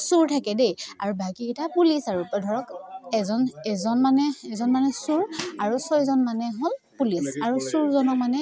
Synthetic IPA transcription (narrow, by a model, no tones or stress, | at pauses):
suɹtʰakɛdejaɹubakiɛtapulisaɹupɔdʱɔɹɔkɛzɔnɛzɔnmanɛɛzɔnmanɛsuɹaɹusɔjzɔnmanɛɦolpulisaɹusuɹzɔnɔk̚manɛ